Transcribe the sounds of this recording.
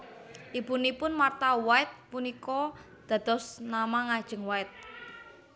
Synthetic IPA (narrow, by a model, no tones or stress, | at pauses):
ʔibunipʊnmart̪awaɪt̪̚punikɔ | d̪̥ä̤d̪̥ɔsnamaŋad̥ʒ̥ə̤ŋwaɪt̪̚